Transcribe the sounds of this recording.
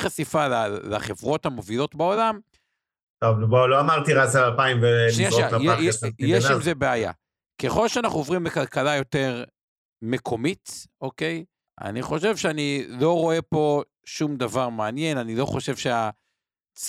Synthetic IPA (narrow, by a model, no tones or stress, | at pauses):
χasifalala̰χe̞vʁo̞tamovilo̞tbao̞lam | tovboloamaʁt̪iʁasalalpaimveʃniaajjeʃimzebeaja̰ | keχo̞lʃeanaχnuovʁimbekalkalajo̞te̞ʁ | me̞kʰo̞mito̞ke̞j | a̰niχo̞ʃe̞vʃeanilo̞ʁo̞e̞po̞ | ʃumd̪avaʁmeanje̞nanilo̞χo̞ʃe̞vʃea | t͡s